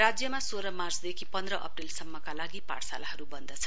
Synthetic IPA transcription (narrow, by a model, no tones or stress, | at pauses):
rad͡zjʌmasoɾʌmarsd̪ekʰipʌnd̪rʌʔʌ̰prilsʌmːʌkalaɡipa̰ʈʰsa̰laɦʌɾubʌnd̪ʌt͡sʰʌ